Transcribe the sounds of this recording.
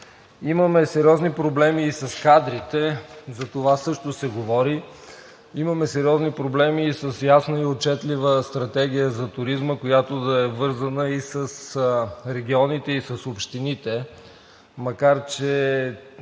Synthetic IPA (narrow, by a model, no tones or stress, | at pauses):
iməmɛsɛɾiɔznipɾoblɛmiːsɐskad̪ɾit̪ɛzɐt̪ovasɤʃt̪osɛɡovɔɾi | iməmɛsɛɾiɔznipɾoblɛmiːsəsjasnəiot͡ʃɛt̪livəst̪ɾɐt̪ɛɡ̟ʲijəzɐt̪ʊɾizməkojat̪od̪ɐɛvɤɾzənəisəsɾɛɡʲiɔnit̪ɛisɐsopʃt̪init̪ɛ | mɐkaɾt͡ʃɛ